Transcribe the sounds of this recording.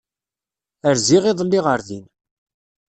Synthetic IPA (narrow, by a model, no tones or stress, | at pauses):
əɾziʁiðˤəlːiʁəɾðin